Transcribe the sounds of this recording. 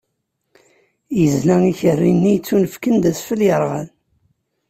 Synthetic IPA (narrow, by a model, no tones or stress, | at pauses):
jəzlæŋiçərːinːijt͡sːunəfkənd̪æsfəljəɾˤʁən